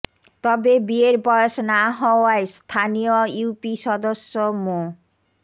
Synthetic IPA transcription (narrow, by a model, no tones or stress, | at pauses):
t̪ɔbebieɾbɔjoʃnaɦɔoaest̪ʰanijojuwpiʃɔd̪oʃːomo